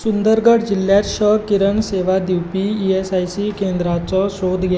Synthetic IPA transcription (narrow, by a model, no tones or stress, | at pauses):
sund̪əɾɡəɽd͡ʑilːjat̪ɕəkiɾəɳseʋad̪iwpiːesajsikend̪ɾat͡sɔsod̪ʱɡʱj